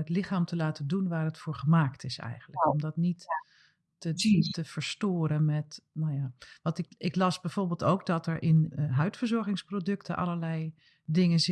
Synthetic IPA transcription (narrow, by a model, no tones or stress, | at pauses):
ətlɪxaːmtəlaːtəndunʋaːɹətfʊːɹχəmaːktʰɪsɛ̰jɣəndləkɔmdɔtnitː | ətəv̥əɹstoːɾəmɛtnajaʋɑntɪɪklɑsbɛjv̥oːɹbɪːlˠtowk̚dɔtəɹʔɪnɦœɥtfəɹzɔɹɣɪŋsprodɵktʰə̰ʔɑ̰ləɹlɛj | dɪŋəz